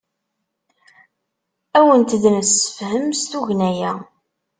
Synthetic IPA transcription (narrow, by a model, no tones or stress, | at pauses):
æwənt̪əðnəsə̥fɦəmst̪uʝnæjæ